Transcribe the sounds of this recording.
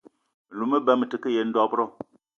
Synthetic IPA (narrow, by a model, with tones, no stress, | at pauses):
lu˨mə˦bɛ˦mə˨tɨ˨kə˦je˨n̩˦dɔ˦pɾɔ˦